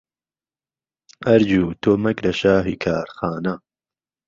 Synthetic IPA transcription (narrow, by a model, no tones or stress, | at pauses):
ɐɾd͡ʒuːt̪ʰoːmɐkɾɐʃaːɦikʰaːɾxaːnɐ